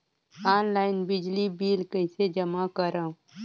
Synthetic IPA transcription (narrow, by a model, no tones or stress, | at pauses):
aːnlaːɪnbɪd͡ʒlibiːlkəɪsed͡ʒəmakəɾãː